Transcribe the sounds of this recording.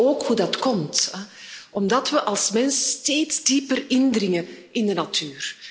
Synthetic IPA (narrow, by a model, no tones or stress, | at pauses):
oːkhudɑtkɔmt | ʔɔmdɑtʋəʔɑlˠsmɛnsəsteːtzdiːpərɪndrɪŋəʔɪndənatʰyːr